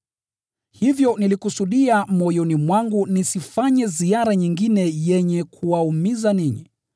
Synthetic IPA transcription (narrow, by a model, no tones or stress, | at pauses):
hivjɔnilikusuɗiamɔjɔnimwaŋɡunisifaɲɛziaɾaɲiŋɡinɛjɛɲɛkʰuwaumizaniɲḭ